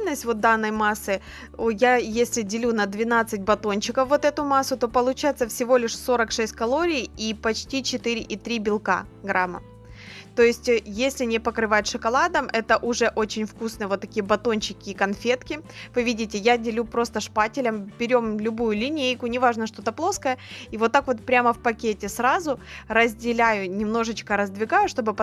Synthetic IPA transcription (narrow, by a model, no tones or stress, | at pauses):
nəsʲtʲvo̞t̪̚d̪anːəjmasːɨ | ojajesʲlʲɪdʲɪlʲunəd̪vʲɪnat̪sɨt̚ʲbɐt̪o̞nʲt͡ɕɪkəfːo̞t̪ɛt̪ʊmasːʊt̪o̞pəlˠʊt͡ɕajɪt̪səfsʲɪvo̞lʲɪʂso̞ɾəkʂɛsʲt̚ʲkɐlˠo̞ɾʲijipɐt͡ɕtʲit͡ɕɪt̪ɨɾʲɪʔit̪ɾʲibʲɪlˠka̰ | ɡɾamə̰ | t̪o̞jɪsʲtʲjesʲlʲɪnʲɪpəkɾɨvajt̪ʂɨkɐlˠad̪əmʔɛt̪əʔʊʐɛʔo̞t͡ɕɪnʲfkusnɨjəvo̞t̪ːɐkʲijəbɐt̪o̞nt͡ɕɪkʲɪːkɐnfʲe̞t̪kʲɪvɨvʲidʲɪtʲɪjadʲɪlʲupɾo̞st̪əʂpatʲɪlʲəmbʲɪɾʲo̞mlʲʊbujʊlʲɪnʲejkʊnʲɪvaʐnəʂt̪o̞t̪əplˠo̞skəjəivot̪ːakvo̞t̪̚pɾʲaməfpɐkʲetʲɪsɾazʊrəzʲdʲɪlʲæjʊnʲɪmno̞ʐɨt͡ɕkəɾəzd̪vʲɪɡajʊʂt̪o̞bɨp